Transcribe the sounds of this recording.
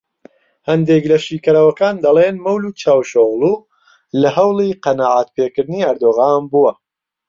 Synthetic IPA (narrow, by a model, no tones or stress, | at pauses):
hɐnd̪eklɐʃiːkɐɾawɐkaːnd̪ɐlˠenmɐwluːt͡ʃʰaːwʃoɣlˠuː | lɐɦɐwlˠiqɐnaːʕat̪̚peːkɨɾd̪ɨniːɐɾd̪oːɣaːnbuwɐ